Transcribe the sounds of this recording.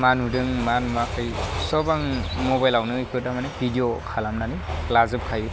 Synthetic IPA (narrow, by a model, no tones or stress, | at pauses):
manudɯŋmanmakʰɯjsɔbaŋmɔbajlawnɯikʰɯtamanebʱidijɔkʰalamnanilazɯp̚kʰaju